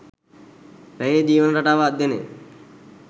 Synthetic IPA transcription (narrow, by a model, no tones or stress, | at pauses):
ɾejeːd͡ʒiːʋənɾaʈaːʋaːd̪ːjenḛ